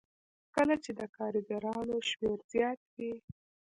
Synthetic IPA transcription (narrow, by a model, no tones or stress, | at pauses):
kəlat͡ʃed̪əkɑɾiɡaɾɑnoʃmeɾz̥jɑt̪̚wi